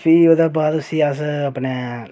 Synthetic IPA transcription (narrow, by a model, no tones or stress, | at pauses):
pʰioːd̪abaːd̪ʊsiasəpne